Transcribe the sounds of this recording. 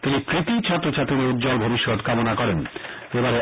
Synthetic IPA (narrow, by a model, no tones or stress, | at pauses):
t̪inipɾit̪it͡ɕʰɔt̪ːɾot͡ɕat̪ːɾiɾeud̪̚d͡ʑɔlbʱobiʃːot̪kamonakɔɾen | ebaɾe